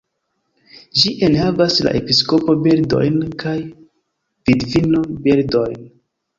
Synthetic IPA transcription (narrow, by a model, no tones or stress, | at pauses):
d͡ʒiʔe̞nhavasla̰ʔe̞pisko̞po̞beɾdo̞̰jnkaj | vidvino̞beɾdo̞jn